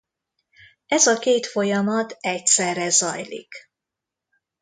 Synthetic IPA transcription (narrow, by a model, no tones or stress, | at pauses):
ɛzɒkeːt̪fo̞jɒmɒt̪ɛc̪̚sɛrɛzɒjlḭk